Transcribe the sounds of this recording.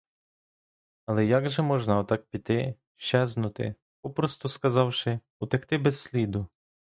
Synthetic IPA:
ɐlˠɛjaɡʒɛmɔʒnɑɔt̪ɑk̚pʲit̪ɪ | ʃt͡ʃɛznʊt̪ɪ̰ | pɔpɾɔst̪ʊskɐzɑwʃɪ | ʊt̪ɛxt̪ɪbɛssʲlʲid̪ʊ

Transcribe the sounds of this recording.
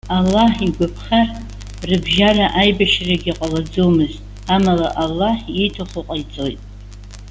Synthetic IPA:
alːaħiɡʷapʰχar | rɨbʒaraʔajbaʃraɡʲiqʼalad͡zomɨztʼ | amalaʔalːaħitʰaχʷʊqʼajt͡sʼojtʼ

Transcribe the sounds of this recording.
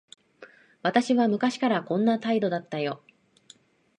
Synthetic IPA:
βat̪aɕiβamɯ̟kaɕi̥kaɾakõ̞nːat̪aid̪o̞d̪at̪ːajo̞

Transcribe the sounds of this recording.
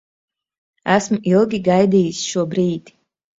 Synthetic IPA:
æsmilˠɡʲiɡajd̪iːjisʃuɔbɾiːt̪

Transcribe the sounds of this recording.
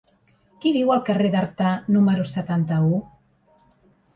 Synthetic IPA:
kiβiwalˠkareðaɾt̪anuməɾusət̪ant̪au

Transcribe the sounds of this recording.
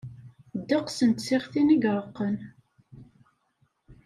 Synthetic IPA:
d̪ːəqsənt̪siʁθinəɡɾˤəqːən

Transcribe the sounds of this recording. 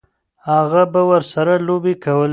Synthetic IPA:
haɣabawəɾsaɾalobekawəl

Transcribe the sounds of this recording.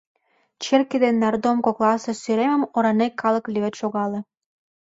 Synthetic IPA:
t͡ɕerked̪enːɑrd̪omkoklˠɑsĕsyɾemə̆moɾɑnekːɑlə̆klʲiβet̪ʃoɣɑlĕ

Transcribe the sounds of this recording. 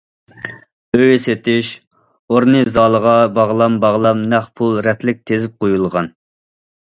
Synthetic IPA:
øjset̪ʰɪʃ | oɾnɨzɑːlˠəʁɑbɑʁlˠɑmbɑʁlˠɑmnɛχpʰulˠɾɛt̪ʰlɪk̚ʲt̪ʰezɪp̚qʰojulˠʁɑn

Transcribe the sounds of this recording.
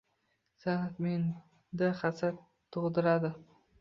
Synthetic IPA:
sanat̪men | d̪aχasat̪ʰːʊʁd̪ɪɾad̪ɪ

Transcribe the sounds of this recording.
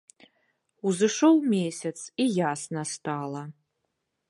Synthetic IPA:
uzɨʂowmʲesʲɛt͡sʰijasnɐst̪ʰaːlˠɐ

